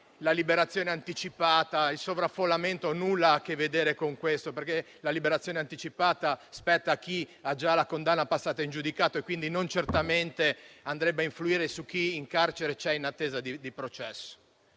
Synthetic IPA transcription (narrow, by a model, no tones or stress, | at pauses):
lalibeɾat̪sːjoːneant̪it͡ʃipaːt̪ailsovɾafːolːament̪onulːaakːevːed̪eːɾekoŋkwest̪operke | lalibeɾat̪sːjoːneant̪it͡ʃipaːt̪aspɛt̪ːakiad͡ʒalakond̪anːapasːaːt̪aind͡ʒud̪ikaːt̪oekːwind̪inont͡ʃert̪ament̪eand̪ɾɛbːeaiɱfluiːɾesuk̟ːiːŋkart͡ʃeɾet͡ʃɛinat̪ːeːzad̪id̪ipɾot͡ʃɛsːo̥